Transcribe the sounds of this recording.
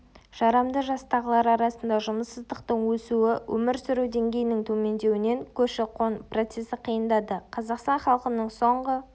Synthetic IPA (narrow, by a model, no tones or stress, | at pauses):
ʒ̥ɑɾɑmd̪əʒɑst̪ɑʁəlˠɑɾɑɾɑsənd̪ɑʒʊməsːəzd̪əqt̪əɴwɵsuɪwʔɵ̰mɪɾsʏɾuwd̪e̞ŋɡʲe̞jɪnɪŋt̪ʰɵme̞nd̪e̞wɪne̞ŋkʲʰɵʃɪqʰonpro̞t̪se̞sɪqʰijənd̪ɑd̪əqʰɑzɑqst̪ɑnχɑlˠqənəɴso̞ɴʁə